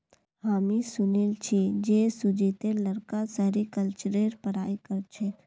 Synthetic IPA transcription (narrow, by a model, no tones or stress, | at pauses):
haːmisʊnɪlt͡ʃʰid͡ʒesʊd͡ʒit̪eləɾkasɛɾikəlt͡ʃɾeːɾpəɾaːikəɾt͡ʃʰe